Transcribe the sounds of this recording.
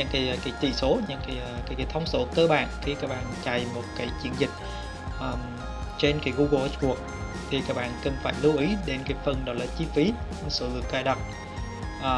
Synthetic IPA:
ɲɨ̰˧˥ŋkaː˨˦jkaː˨˦jt̪ḭ˧˩so˨˦ɲɨ̰˧˥ŋkaː˨˦jkaː˨˦jkaː˨˦jt̪ʰə˧wŋ͡mso˨˦t̪ə˧˦ɓa̰ː˧˨nxʰi˧kaː˦˥k̚ɓa̰ː˧˨nt͡ɕa˨˩jmo˨˩t̚kaː˨˦jt͡ɕi˨˦ənzï˨˩k̟̚ | ʔəː˨˩ | t͡ɕe˧nkaː˨˦jɣu˧ɣə˨˧ʔt̚ɓu˨˩ək̚ | t̪ʰi˨˩kaː˦˥k̚ɓa̰ː˧˨nkə˨˩nfaː˧˩jlu˧wʔi˨˦ɗe˨˦nkaː˨˦jfə˨˩nɗɔ˨˦jlaː˨˩t͡ɕi˧fi˨˦˨ | so˨˦lɨ̰˨˩ək̚zaː˧˩jɗə˨˩wk͡p̚ | ʔəː˨˩

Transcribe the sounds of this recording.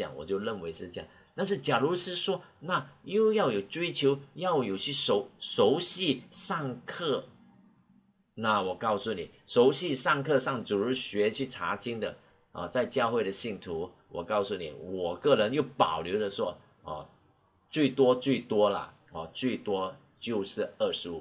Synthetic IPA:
jɑ̰˨˩˦ŋwɔ̰˨˩t͡ɕjo˥˧ʊɻə˥˩nwe˧˥ɪʂɻ̩˥˧t͡ɕja̰˥˨˩ŋ | t̪a˥˧nʂ̬ɻ̩˥˩t͡ɕja˨˩lu˧˥ʂɻ̩˥˧ʂwɔ˥na˥˩jo˥˧ʊjɑ˥˩ʊjo˨˩ʊt͡swe˥ɪt͡ɕʰjo˧˥ʊjɑ˥˩ʊjo˨˩ʊt͡ɕʰʂo˧˥ʊʂo˧˥ʊɕi˥˧ʂɑ˥˧ŋkʰɤ˥˩ | na˥˩wɔ˨˩kɑ˥˧ʊsu˥˩nḭ˨˩ʂo˧˥ʊɕi˥˧ʂɑ˥˧ŋkʰɤ˥˧ʂɑ˥˩ŋt͡su˨˩ɻ̩˥ɕɥɛ˧˥t͡ɕʰy˥˩ʈ͡ʂʰa̰˧˥t͡ɕi˥ŋd̪ə̰˨ | ə̰˨t͡sa˥˧ɪt͡ɕjɑ˥˧ʊxwe˥˩ɪɾə˩ɕi˥˩ŋt̪ʰu˧˥ | wɔ̰˨˩kɑ˥˧ʊsu˥˩nḭ˨˩wɔ˨˩kɤ˥˩ɻə˧˥njo˥˩ʊpɑ˨˩ʊljo˧˥ʊdə˨ʂwɔ˥ | ɐ̰˧˩ | t͡swe˥˩ɪt̪wɔ˥t͡swe˥˩ɪt̪wɔ˥lə̰˨ | ɐ˨t͡swe˥˩ɪt̪wɔ˥ | t͡ɕjo˥˧ʊʂɻ̩˥˧ə˥˩ʂu˥˩

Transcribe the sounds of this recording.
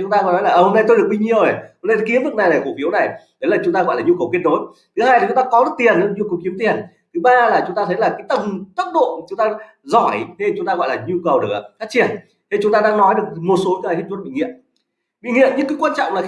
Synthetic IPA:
t͡ɕŋ͡mt̪aː˧ɣɔ˨˦jnɔ˨˦jlaː˨˩ʔə˨˧˩ho˧mna˧jt̪o˧jɗɨ˨˩ək̚i˧ɲi˧˨əwe˨˩ho˧na˧jt̪ʰki˨˦ənvɨ˨˩k̚na˨˩jna˨˩ko˧˩fi˨˦əwna˨˩jɗ̪ə˨˦jlaː˨˩t͡ɕʊ˨˦ŋ͡mt̪aː˧ɣɔ̰˧˨jlaː˨˩ɲu˧kə˨˩wki˦˥ət̚no˨˦j | t̪ʰɨ˨˦haː˧jla˨˩t͡ɕʊ˨˦ŋ͡mt̪aː˧kɔ˨˦zɨ˨˦˥t̪i˨˩ənː˧˩ɲu˧kə˨˩wki˨˦əmt̪i˨˩ən | t̪ʰɨ˨˦ɓaː˧laː˨˩t͡ɕʊ˨˦ŋ͡mt̪aː˧ə˨˦jlaː˨˩kaː˨˦jt̪ə˨˧˩mt̪ə˦˥t̚ɗo̰˧˨t͡ɕʊ˨˦ŋ͡mt̪aː˧ | zɔ˧˩jt̪ʰe˧˩t͡ɕʊ˨˦ŋ͡mt̪aː˧ɣɔ̰˧˨jlaː˨˩ɲu˧kə˨˩wɗɨ˨˩˨fa˦˥k̚t͡ɕi˨˩ən | t̪ʰe˧˩t͡ɕʊ˨˦ŋ͡mt̪aː˧ɗaː˧ŋnɔ˨˦jɗɨ˨˩ək̚mo˨˩t̚so˨˦˧a˨˩jhe˦˥t̚zwt̚ɓḭ˧˨ŋḭ˧˨əm | ɓḭ˧˨ŋḭ˧˨əmɲɨ˧ŋkɨː˨˦kwaː˧nt͡ɕɔ̰˧˨wŋ͡mlaː˨˩

